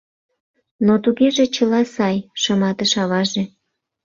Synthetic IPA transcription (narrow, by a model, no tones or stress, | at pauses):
not̪uɣeʒet͡ɕəlɑsɑjʃəmɑt̪əʃɑβɑʒe